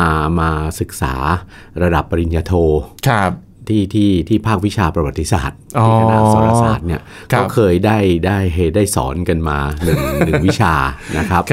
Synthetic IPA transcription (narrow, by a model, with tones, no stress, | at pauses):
ʔa˧maː˧sɯ˨˩k̚sa̰ː˩˦ | ɾa˧da˨˩pːa˧ɾi˨˧njaː˧t̪ʰoː˧kʰa˦˩p | t̪ʰiː˥˩t̪ʰiː˥˩t̪ʰiː˥˩pʰaː˥˩k̚wi˦˥t͡ɕʰaː˧pɾa˧wa˨˩t̪ːi˧˥sa̰ː˨˩t̪̚ʔɔ˥˧a˧daː˨˧ɔ˨˦aa˥sa̰ː˨˩t̪̚ni˥˩ɐ | kɔː˦˥˧kʰɤː˧jdaː˥˩jdaː˥˩jɦe˨˩t̪̚daː˥˩jsɔ̰ː˩˦nka˧nmaː˧nɯ˨˩˨ŋnɯ˨ŋwi˥˦˥t͡ɕʰaː˧na˦˥kʰɾa˦˥p̚